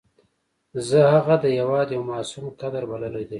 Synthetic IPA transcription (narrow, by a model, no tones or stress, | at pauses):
zəhaɣad̪əjawɑːd̪jawmɑːsumkad̪aɾbalalajd̪a